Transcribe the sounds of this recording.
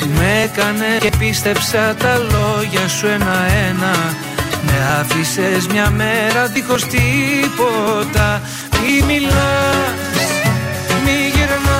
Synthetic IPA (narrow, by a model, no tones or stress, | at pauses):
umekɐne̞epist̪e̞psɐt̪ɐlo̞ʝɐsue̞nɐe̞nɐ | me̞ɐfise̞zmɲɐme̞ɾɐðixo̞st̪ipo̞t̪ɐ | mimilɐ | miʝeɾn